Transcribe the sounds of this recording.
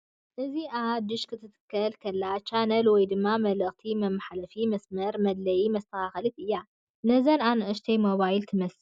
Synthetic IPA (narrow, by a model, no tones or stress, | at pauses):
ʔɨziʔad̪ɨʃkʰɨt̪ʰɨt̪ɨ̥kʰːɐlkʰɐlːat͡ʃanɐlwɔjd̪ɨmːamɐlɐʔt̪ʰimɐmːaħalɐfimɐsmɐɾmɐd̪lɐjimɐst̪ʰɐaxɐlɨt̪ʔɨjːa | nɐzɐnanʔɨʃt̪ʰejmoβajlt̪ʰɨmɐs